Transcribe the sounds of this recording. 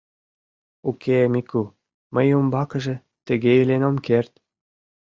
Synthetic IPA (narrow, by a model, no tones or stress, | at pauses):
ukʰemiku | məjumbɑkɤ̆ʒĕ | t̪ə̆ɡeilenomkert̪